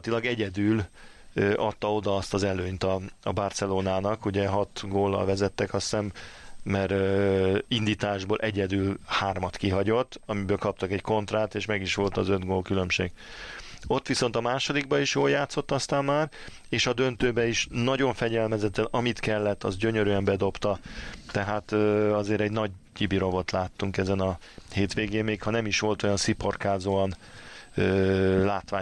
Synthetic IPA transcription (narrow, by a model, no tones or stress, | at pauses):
t̪ilɒɡɛɟɛd̪yːl | øʔɒt̪ːɒo̞d̪ɒɒst̪ɒzɛløːɲt̪ɒːbɒrt̪sɛloːnaːnɒkuɟɛɦɒt̪ɡoːlːɒ̰lvɛzɛt̪ːɛkɒsɛmːɛɾ | ind̪iːt̪aːʒboːlʔɛɟɛd̪yːlhaːrmɒt̪kiɦɒɟo̞t̪ːɒmibøːlkɒp̚t̪ɒkɛcko̞nt̪raːt̪eːʃmɛɡiʃʋo̞lt̪ɒzød̪ɡoːlkylø̞mʃḛːɡ̥ | o̞t̪ːʋiso̞n̪t̪ɒmaːʃo̞d̪iɡ̚bɒiʃjoːljaːt̪so̞t̪ːɒst̪aːmːaːr | eːʃɒd̪ø̞nt̪øːbɛiʃnɒɟo̞ɱfɛɟɛlmɛzɛt̪ːɛnɒmit̪kɛlːɛt̪ːɒzɟø̞ɲøɾyɛmbɛd̪o̞pt̪ɒt̪ɛɦaːt̪øɒzeːɾɛɟnɒɟ̚cibiɾo̞vo̞t̪laːt̪ːuŋkɛzɛnɒ | heːt̪ʋeːɡeːmmeːkʰhɒnɛmiʃʋo̞lt̪o̞jɒnsipo̞rkaːzoɒnøːlaːt̪ʋaː